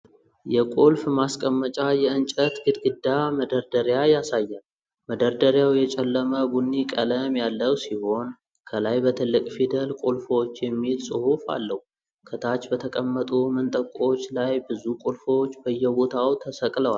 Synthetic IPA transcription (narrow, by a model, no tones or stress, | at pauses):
jɛkʼolfmaskʼəmːət͡ʃʼajɛɨnt͡ʃʼət̪ɡɨd̪ɡɨd̪ːaməd̪əɾd̪əɾjajasajːan | məd̪əɾd̪əɾjawjɛt͡ʃʼɛlːəməɡunːikʼələmjalːəwsiho̞n | kʰəlajbət̪ʰɨlːɨkʼfid̪əlkʼolfo̞t͡ʃːjɛmːilsʼɨhufa̰lːəhu | kʰət̪ʰat͡ʃːbət̪ʰəkʼəmːət̪ʼumənt̪ʼəkʼo̞t͡ʃːlajbɨzukʼolfo̞t͡ʃːbəjːɛbo̞t̪ʰawt̪ʰəsəkʼləwa